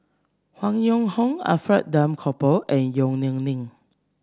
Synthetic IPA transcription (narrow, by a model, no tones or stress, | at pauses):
hwãŋjõŋhɔ̃ŋa̰fɹɛt̚dãmkʰɔpəlʔɛ̃njõŋnĩŋnĩŋ